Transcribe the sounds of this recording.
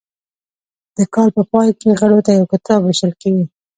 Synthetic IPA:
d̪̥əkɑlpəpɑjkeɣəɽot̪ajawkɪt̪ɑbweʃəlkeɡi

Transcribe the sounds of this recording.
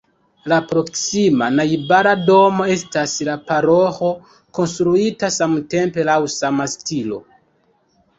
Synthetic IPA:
lapɾo̞ksimanajbaɾado̞mo̞e̞staslapaɾoxo̞ | ko̞nstɾuitasamte̞mpe̞lawsamastilo̞̰

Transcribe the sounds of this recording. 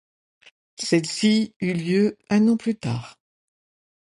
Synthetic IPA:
sɛlsiyljøɛ̃nɑ̃plyt̪a̰ːʁ

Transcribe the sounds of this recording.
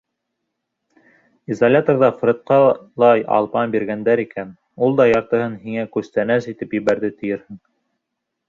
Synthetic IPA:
izalʲat̪orðɑfɾʲɤ̆t̪̚qɑlˠɑjɑ̰lˠpɑnbiɾɡænd̪æɾikæn | ulˠd̪ɑjɑɾt̪ɤ̆hɤnhiŋækʉst̪ænæsit̪ɘpjɘ̆βæɾðɘt̪ɘ̆jɘɾhɘŋ

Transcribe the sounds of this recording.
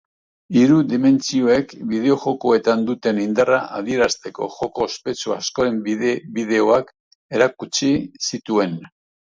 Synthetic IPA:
iɾud̪ime̞nt͡sio̞e̞kbið̞e̞o̞ʝo̞ko̞e̞t̪and̪ut̪e̞nind̪araʔað̞ie̞ɾast̪e̞ko̞̰ʝo̞ko̞spe̞t͡suasko̞ɾe̞mbibið̞e̞o̞ak | e̞ɾakut͡ʃisit̪ue̞n

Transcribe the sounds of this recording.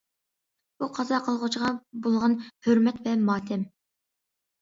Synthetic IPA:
buqʰɑzɑqʰəlˠʁʊt͡ʃʰʁɑbolˠʁɑnhøɾmɛt̪vɛmɑːt̪ʰɛm

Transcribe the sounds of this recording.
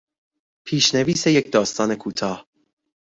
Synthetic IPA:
pʰiːʃneviːsejecd̪ɒːst̪ɒːne̞kʰuːt̪ʰɒːh

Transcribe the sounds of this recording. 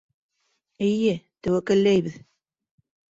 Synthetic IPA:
ɘjɘt̪ɘ̆wækɘ̆lːæjβɘð

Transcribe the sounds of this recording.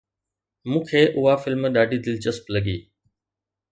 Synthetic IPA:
mũːkʰeːʔʊɦafɪlmɗaːɖʱid̪ɪlt͡ɕɐsplɐɠiː

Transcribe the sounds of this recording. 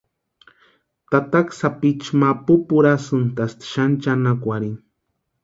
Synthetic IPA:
t̪at̪aksapit͡ʃmapupuɾasɨnt̪ast̪ʃant͡ʃanakʷaɾin

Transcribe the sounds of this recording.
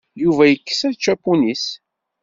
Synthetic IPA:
juvæjəkːə̥sæðt͡ʃːæpːunis

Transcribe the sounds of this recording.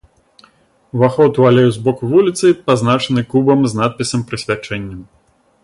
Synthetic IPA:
vaxɔt̪uvalʲɛwzbɔkuvulʲit̪sɨpaznat͡ʂɐnɨkubɐmznat̪̚pʲisɐmpɾɨsʲvʲat͡ʂɛnʲːɐm

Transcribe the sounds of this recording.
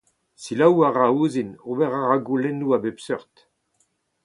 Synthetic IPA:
silawaʁauːzinobɛʁaʁaɡulɛnuabepsœʁt̪

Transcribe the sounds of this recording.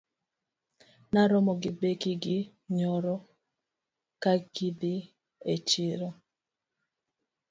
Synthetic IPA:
naɾɔmɔɡɪbekiɡɪ | ɲɔɾɔ | kaɡid̪ɪ | et͡ʃɪɾɔ

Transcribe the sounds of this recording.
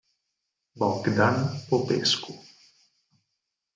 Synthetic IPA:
bakd̪anpopḛsku

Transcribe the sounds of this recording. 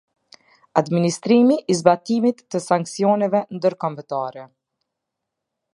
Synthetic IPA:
ad̪minist̪ɾimiʔizbat̪imit̪ːəsaŋksiɔnɛvɛnd̪əɾkɔmbət̪aɾɛ

